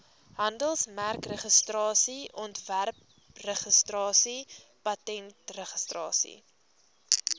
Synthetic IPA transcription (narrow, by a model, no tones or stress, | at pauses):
ɦɐndəlˠsmærkrəχəstrɑːsiʔɔntværp | rəχəstrɑːsipɐtɛntrəχəstrɑ̰ːsḭ